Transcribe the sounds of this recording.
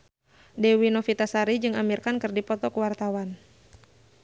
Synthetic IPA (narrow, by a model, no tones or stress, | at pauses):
dɛwinɔfit̪asaɾid͡ʒɨŋamirkankɨrdipɔt̪ɔkuwart̪awan